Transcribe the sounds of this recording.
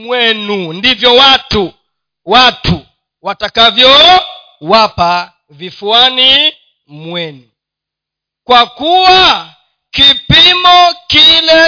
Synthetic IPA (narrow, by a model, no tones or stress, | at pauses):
mwɛnundivjɔwatu | watʰu | watakavjɔ | wapa | vifuani | mwɛnu | kwakuwa | kipimɔkilɛ